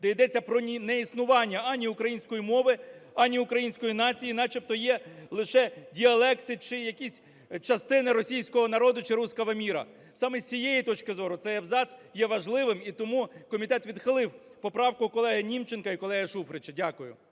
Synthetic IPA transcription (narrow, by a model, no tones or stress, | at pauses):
d̪ɛjd̪ɛt͡sʲːɐpɾɔnʲinɛisnʊʋɑnʲːɐɐnʲiʊkɾɐjinʲsʲkɔjimɔʋɪɐnʲiʊkɾɐjinʲsʲkɔjinɑt͡sʲijinɑt͡ʃʲipt̪ɔjɛlˠɪʃɛdʲiɐlˠɛkt̪ɪt͡ʃɪjɐkʲisʲ | t͡ʃɐst̪ɪnɪɾɔsʲijsʲkɔɦɔnɐɾɔd̪ʊt͡ʃɪɾusʲkɐʋɐmʲiɾɐ̰ | sɑmɛsʲijejit̪ɔt͡ʃkɪzɔɾʊt̪sɛjɐbzɑt̪sjɛʋɐʒlˠɪʋɪmit̪ɔmukɔmʲit̪ɛt̪ʋʲid̪xɪlˠɪw | pɔpɾɑwkʊkɔlˠɛɦɐnʲimt͡ʃenkɐikɔlˠɛɦɐʃufɾɪt͡ʃɐdʲakʊjʊ̰